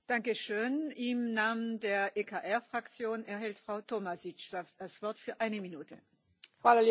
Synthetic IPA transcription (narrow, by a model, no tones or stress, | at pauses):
d̥aŋkəʃøːnɪmnaːməndeːɐʔeːkʰaːʔɛɐfʁ̥akt͡sjoːnɛɐɦɛltfʁ̥aʊtʰomasɪt͡ʃad̥asv̥ɔɐtfyːɐʔaɪnəminuːtʰə̰ | flali